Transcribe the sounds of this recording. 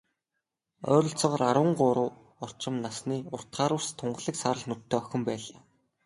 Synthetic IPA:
œ̰ːɾɞ̆ɬt͡sɔːʁɔːɾaɾwə̆ɴɢʊɾʊː | ɔr̥t͡ɕɪ̆mnasniːʊr̥t̪χaːɾʊ̆wst̪ʰʊɴɢ̆ɮĭksaɾə̆ɮnʊt̪ʰːeːœxʲɪ̆mpæːɮaː

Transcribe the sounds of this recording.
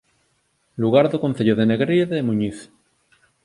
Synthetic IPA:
luɣ̞aɾðokon̟θeʎoðeneɣɾiðemuɲiθ

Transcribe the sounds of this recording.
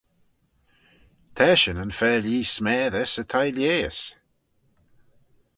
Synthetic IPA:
t̪ʰɛːʃənənfɛːliːsmɛːðəsət̪ʰajljeːə̰s

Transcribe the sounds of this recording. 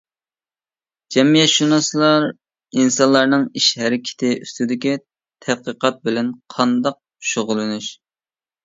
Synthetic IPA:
d͡ʒɛmijɛt̪ʃunɑslˠɑɾ | insɑnlˠɑɾnɨŋiʃhɛɾɪkʲʰɪ̥t̪ʰɪʔyst̪ɪd̪ɪkʲi | t̪ʰɛt̪̚qəqɑt̪̚bɪlɛnqʰɑnd̪ɑq̚ | ʃoʁʊlˠɨnyʃ

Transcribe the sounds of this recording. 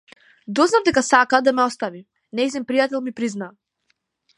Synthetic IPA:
d̪ɔznavd̪ɛkasakad̪amɛɔst̪avi | nɛisɛmpɾijat̪ɛlˠmipɾizna

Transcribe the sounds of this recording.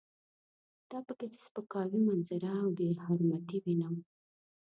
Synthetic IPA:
d̪̥ɑpəket̪ə̥spəkɑwimanzaɾaːwɖeɾhaɾmat̪iwinaw

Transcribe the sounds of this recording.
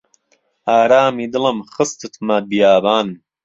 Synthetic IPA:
aːɾaːmid̪ɨləmχɨst̪ɨt̪mɐbijaːbaːn

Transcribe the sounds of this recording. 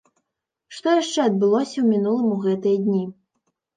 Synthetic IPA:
ʂt̪ɔjaʂt͡ʂɛɐd̪̚bɨlˠɔsʲɐwmʲinulˠɐmuɣɛt̪ɨjɐd̪ʲnʲi

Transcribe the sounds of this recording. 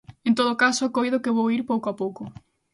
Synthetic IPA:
ẽnt̪oðokasokojðʊkeβowiɾpowkoapowko

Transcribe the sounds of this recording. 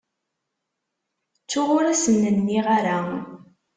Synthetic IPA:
t͡sːʊʁʊɾæsənːənːiʁaɾa

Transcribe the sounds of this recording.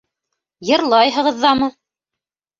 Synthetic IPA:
jɤ̆ɾlˠɑjɦɤ̆ʁɤ̆ðːɑmɤ

